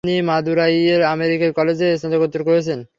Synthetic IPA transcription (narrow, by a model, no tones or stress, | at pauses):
nimad̪uɾajeɾameɾikeɾkɔled͡ʑeʃod̪okot̪ːoɾkoɦet͡ɕʰen